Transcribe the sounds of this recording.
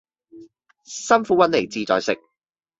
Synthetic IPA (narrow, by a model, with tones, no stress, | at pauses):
sɐ˥nfuː˨˥wɐ˥n̚le˨˩jt͡siː˧t͡sɔ̰ː˨˧jsɪ˨k̚